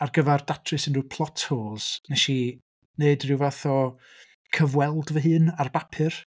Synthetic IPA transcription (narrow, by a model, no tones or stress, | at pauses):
arɡəvɛrdatʰrɨsənrupʰlˠɔtʰhoːz̥nɛʃi | neɨdrɪwvaθɔ | kʰəvwɛlˠdvəɦɨːnarbapʰɨr